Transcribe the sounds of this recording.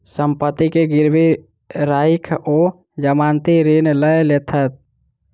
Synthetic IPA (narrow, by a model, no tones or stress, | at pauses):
səmpət̪ːikeɡiɾbʱi | ɾaikʰo | d͡ʒəmant̪iɾinləjlet̪ʰət̪̚